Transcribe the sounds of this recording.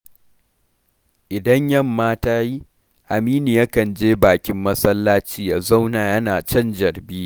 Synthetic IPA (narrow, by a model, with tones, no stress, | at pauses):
ʔɪ˨dɐ˦ɲjɐ˦mːaː˦taː˦ji˦ | ʔa˨miː˦ni˨ja˦kɐ˨nd͡ʒeː˦baː˨kʲɪ˦mːɐ˦sɐ˦lːaː˦t͡ʃiː˦jaː˨za˦wnaː˨jɐ˦naː˨t͡ʃɐ˦nd͡ʒɐ˨rbiː˦